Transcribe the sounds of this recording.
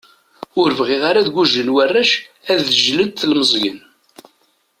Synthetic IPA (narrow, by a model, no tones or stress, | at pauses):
ʊɾəvʁɪʁaɾaðɡʷuʒənwærːæʃ | æðʒləd̪θlməzˤjən